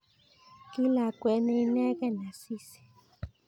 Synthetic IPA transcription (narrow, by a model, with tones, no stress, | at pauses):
ki˦la˨kwɛ˨˦nɛ˦i˦nɛ˦kɛ˦na˨si˦si̥˨